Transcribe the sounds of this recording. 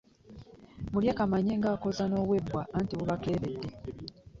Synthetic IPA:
muljakamaɲe̞ːŋɡaːko̞zano̞ːβwe̞bwaːntiwuβatwe̞ːɾedːe̞

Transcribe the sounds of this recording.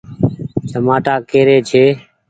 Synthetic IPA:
t͡ʃəmaːʈaːkeːɾeːt͡ʃʰeː

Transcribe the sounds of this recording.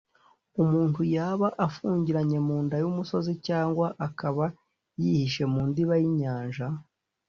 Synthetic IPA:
umuːntujaːβaʔafuːɲɟiɾaɲe̞muːndajumuso̞zicaːŋɡwaʔakaβa | jihiʃe̞muːndiβajiɲaːnʒa

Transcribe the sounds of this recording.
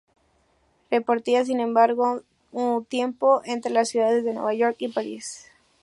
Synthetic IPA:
repoɾt̪ias̬inẽ̞mbaɾɣo | unt̪je̞mpo̞ʔent̪ɾe̞lasjuðaðe̞zðe̞nwḛβaʝo̞ɾkipaɾḭs

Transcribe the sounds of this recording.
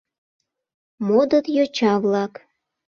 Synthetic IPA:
mod̪ət̪jot͡ɕɑβlɑk

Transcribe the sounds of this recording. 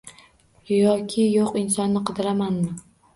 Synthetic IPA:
jɒkʲʰɪjoqɪnsɒnːɪqʰɨd̪ɪɾamanmɪ

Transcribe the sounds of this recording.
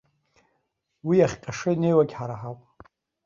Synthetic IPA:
wiaχʲqʲʼaʂɨne̞jwaɡʲħaɾaħawpʼ

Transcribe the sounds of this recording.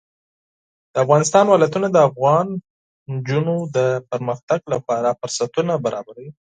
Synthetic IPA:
d̪̥əafɣɑnɪs̬t̪ɑnwɑlajt̪unad̪əafɣɑn | nd͡ʒunod̪əpəɾməxt̪aɡlapɑɾafʊɾsat̪unabaɾʔɑbaɾawi

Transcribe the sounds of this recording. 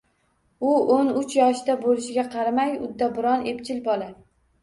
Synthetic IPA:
ʊonʊt͡ʃʰjɒʃd̪abolɪʃɪɡʲaqʰɑɾamajʊ̰d̪ːabɪɾɒnept͡ʃʰɪlbɒla

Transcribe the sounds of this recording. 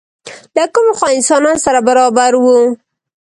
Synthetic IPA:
lakumxwaɪnsɑnɑnosaɾabaɾɑbaɾwu

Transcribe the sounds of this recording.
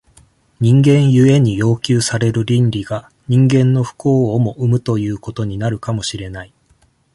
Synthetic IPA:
ɲ̟ĩŋɡẽ̞ɰ̃jɯ̟e̞ɲ̟ijo̞ːkʲɨːsaɾe̞ɾɯ̟ɾʲĩnɾʲiɡ̥a | ɲ̟ĩŋɡẽ̞nːo̞ɸɯ̟̥ko̞ːmo̞ʔɯ̟mɯ̟t̪o̞jɯ̟ːko̞t̪o̞ɲ̟inaɾɯ̟kamo̞ɕiɾe̞nai

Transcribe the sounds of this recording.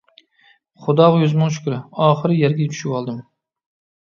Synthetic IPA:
χʊd̪ɑʁjozmɨʃ̬ʊ̥kʲɾɪɒːχɨɾɪjæɾɡʲɛt͡ʃʰy̥ʃɪpɑlˠd̪ɨm

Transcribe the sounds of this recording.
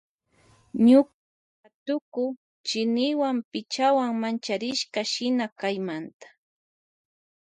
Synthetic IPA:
ɲʊka | at̪ʊkʊ | t͡ʃɪnɪwampɪt͡ʃawaŋmant͡ʃaɾɪʃkaʃɪnakajmant̪ḁ

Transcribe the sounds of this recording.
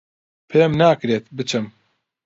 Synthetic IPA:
pʰɨɾɛmnaːkɾeːt̪̚bɨt͡ʃʰɨm

